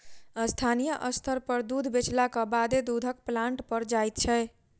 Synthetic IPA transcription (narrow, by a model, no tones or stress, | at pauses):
əst̪ʰanijəʔʌst̪ʰəɾpʌɾd̪ud̪ʱbet͡ʃlakɔbad̪ed̪ud̪ʱək̚plaɳʈpəɾd͡ʒajt̪̚t͡ʃʰɛj